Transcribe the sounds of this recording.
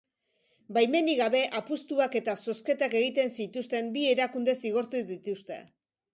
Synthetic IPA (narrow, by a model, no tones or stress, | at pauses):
bajme̞niɣaβe̞ʔapust̪uake̞t̪aso̞ske̞t̪ake̞ɣit̪e̞nsit̪ust̪e̞mbie̞ɾakund̪e̞siɣ̞o̞ɾt̪uðit̪ust̪e̞̰